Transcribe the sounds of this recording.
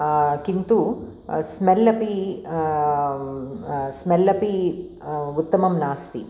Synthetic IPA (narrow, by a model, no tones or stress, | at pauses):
kint̪u | smelːɐpi | smelːɐpi | ut̪ːɐmɐmnaːst̪ḭ